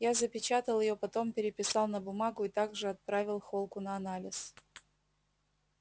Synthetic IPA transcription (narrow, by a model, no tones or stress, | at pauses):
jazəpʲɪt͡ɕat̪əlˠjɪjo̞pɐt̪o̞mpʲɪɾʲɪpʲɪsɑlˠnəbʊmaɡʊɪt̪aɡʐɨɐt̪̚pɾavʲɪlˠxolˠkʊnəɐnalʲɪs